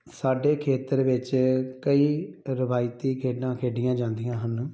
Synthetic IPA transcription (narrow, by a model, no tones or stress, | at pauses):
saːɖeːkʰeːt̪əɾʋɪt͡ʃkəiːɾɪʋaːɪt̪iːkʰeːɖãːkʰeːɖɪjãːd͡ʒãːnd̪ijãːɦən